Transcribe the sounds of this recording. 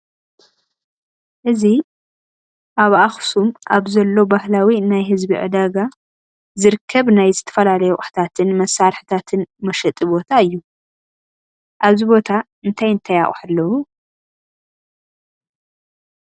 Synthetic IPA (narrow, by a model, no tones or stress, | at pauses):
ʔɨzi | ʔaβʔaxsumʔaβzɐlːo̞bahlawinajɦɨzbiʕɨ̰d̪aɡa | zɨɾɨkʰːɐβnajzɨt̪ʰɐ̥fɐlalɐjɛʔʼħt̪ʰat̪ʰɨnmɐsːaɾħi̥t̪ʰat̪ʰɨnmɐʃɐt̪ʼɨbot̪ʰaɨjːu | ʔaβzibo̞t̪ʰa | ɨnt̪ʰajɨnt̪ʰajaχʼħalːɐwu